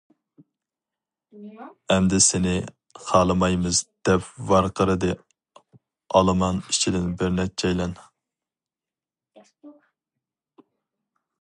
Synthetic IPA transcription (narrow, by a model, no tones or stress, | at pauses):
ɛmd̪ɪsɪnɪ | χɑːlˠɨmɑjmɨzd̪̥ɛpvɑɾqʰəɾɨd̪ɨ | ɑ̰lˠɨmɑnit͡ʃʰid̪ɪnbɪɾnɛt͡ʃʰɛjlɛn